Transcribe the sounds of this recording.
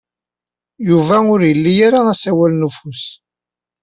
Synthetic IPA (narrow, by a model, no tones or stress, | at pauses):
juvæʊɾjəlːijaɾaæsæwælnəfus